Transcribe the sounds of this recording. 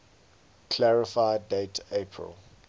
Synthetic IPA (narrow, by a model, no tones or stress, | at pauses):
kʰlæɹɪfaɪdetʰepʰɹə̰l